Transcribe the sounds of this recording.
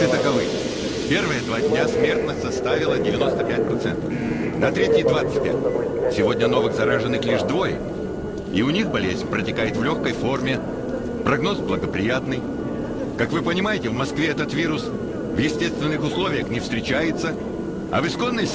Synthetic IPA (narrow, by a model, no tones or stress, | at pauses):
ɨt̪əkɐvɨj | pʲe̞rvəjəd̪vadʲnʲasmʲe̞rt̪nəsʲt̪ʲsɐst̪avʲɪlˠədʲɪvʲɪno̞st̪əpʲæt̚ʲpɾɐt̪sɛ̰nt̪əfnɐt̪ɾʲetʲɪjd̪vat̪sɨ̥t̚ʲpʲæ̰t̚ʲsʲɪvodʲnʲəno̞vɨxzɐɾaʐɨnːɨxlʲiʐd̪vo̞jə̰ | iʊnʲixbɐlʲezʲnʲpɾətʲɪkajɪt̪vlʲo̞xkəjfo̞rmʲɪ | pɾɐɡno̞sblˠəɡəpɾʲɪ̰jat̪nɨj | kakvɨpənʲɪmajɪtʲɪvmɐskvʲeɛt̪ət̪vʲiɾʊs | vjɪsʲtʲe̞st̪vʲɪnːɨxʊslˠo̞vʲɪjəxnʲɪfst̪ɾʲɪt͡ɕæjɪt̪sə | ɐ̰vɨsko̞nːəj